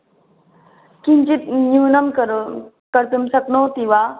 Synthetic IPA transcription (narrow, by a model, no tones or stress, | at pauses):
kint͡ʃit̪̚ɲunɐm | kɐɾt̪ɯmsɐk̚not̪iwa